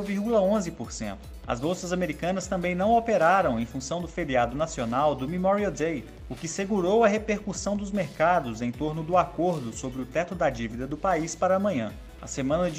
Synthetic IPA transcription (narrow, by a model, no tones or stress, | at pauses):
viɾɡulɐõzɪpoɾsḛ̃nt̪ʊ̥ | ɐ̰zbowsɐzameɾikɐ̃nɐst̪ɐ̃mbẽj̃nɐ̃w̃awpeɾaɾɐ̃w̃ẽj̃fũsɐ̃w̃d̪ʊfeɾiad̪ʊnasionawd̪ʊmimɔɾiɐd̪ej | ʊkɪseɡuɾowɐɦepeɾkusɐ̃w̃d̪ʊzmeɾkad̪ʊzẽj̃t̪oɾnʊd̪ʊakoɾd̪ʊsobɾɪʊt̪ɛt̪ʊd̪ɐd͡ʒivid̪ɐd̪ʊpaispaɾɐːmɐ̃ɲɐ̃ | ɐ̰semɐ̃nɐd͡ʒ